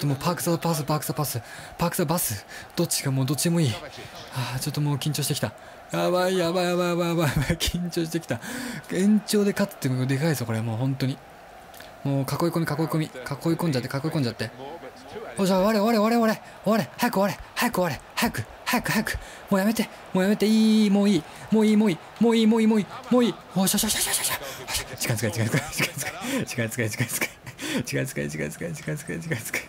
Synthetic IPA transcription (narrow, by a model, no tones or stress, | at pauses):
o̥t̪ːomoːpakɯ̥sabas̬ɨpakɯ̟sabasɨpakɯ̥sabasɨd̪̥o̞t͡ɕːi̥kamoːd̪o̞tt͡ɕid̪emo̞iː | at͡ɕo̞t̪ːomo̞ːkʲĩɲ̟t͡ɕo̞ːɕit̪e̞kʲi̥t̪a | jabaijabaijabaijabaijabaibaikʲʰĩɲt͡ɕo̞ːɕi̥t̪ekʲi̥t̪aẽ̞ɲ̟t͡ɕo̞ːd̪e̞kat͡sɨ̥t̪ːeod̪e̞kaisɨoko̞ɾe̞mo̞ːɦõ̞nt̪o̞ɲ̟i | mo̞ːkako̞iko̞mʲikako̞iko̞mʲikʰakoikõɲ̟d͡ʑat̪ːekako̞ikoɲd͡ʑat̪ːe̞ | hoːɕaβaɾeoβaɾeβaɾeoaɾe | oβaɾehajakɯ̟aɾehajakɯaɾehajakɯ̟̥ | hajakɯ̟hajakɯ̟̥ | mo̞ːjame̞t̪e | moːjame̞t̪e̞iːmoːiː | moːiːmoːiː | moːiːmoːiːmoːiːmoːiː | oɕaɕaɕaɕaɕḁɕahaɕḁt͡ɕi̥kãnt͡sɨ̥kait͡ɕikãt͡sɨkat͡ɕi̥kãt͡sɨ̥kat͡ɕi̥kait͡sɨ̥kait͡ɕi̥kãt͡sɨ̥kḁit͡ɕi̥kãĩt͡sɨ̥kait͡ɕi̥kã̰t͡sɨ̥kait͡ɕi̥kãt͡sɨ̥kait͡ɕi̥kãt͡sɨ̥kḁi